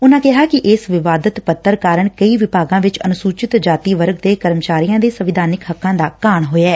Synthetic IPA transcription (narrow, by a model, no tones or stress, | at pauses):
ʊnãːkɪɦaːkɪʔɪsʋɪʋaːd̪ət̪pət̪ːəɾkaːɾəɳkəiːʋɪpaːɡãːʋɪt͡ʃənʊsuːt͡ʃɪt̪d͡ʒaːt̪iːʋəɾɡd̪eːkəɾmət͡ʃaːɾijãːd̪eːsəʋɪd̪ʱaːnɪkɦəkʰːãːd̪aːkaːɳɦoːɛː